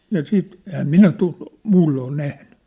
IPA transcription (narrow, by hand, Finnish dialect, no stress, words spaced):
jɑ siːt ehæm minæ tu muːlːoː ol næhnẙ